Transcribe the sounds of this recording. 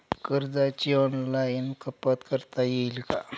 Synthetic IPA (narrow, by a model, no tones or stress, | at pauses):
kəɾd͡zat͡ɕiɔnlajinkəpət̪kəɾt̪ajelka